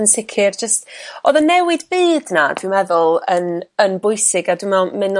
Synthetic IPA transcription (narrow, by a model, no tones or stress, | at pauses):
ənsɪkʰɪrd͡ʒəstoðənːɛwɪdbɨːdnadwɪmɛðʊlˠənənbʊjsɪɡadɪmɛlˠmɪn